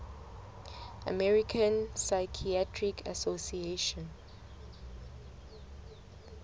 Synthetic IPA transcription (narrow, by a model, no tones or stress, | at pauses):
a̰mɛɹikʰãnsaɪkʰiatʰɹikʰa̰sosieʃɔ̃n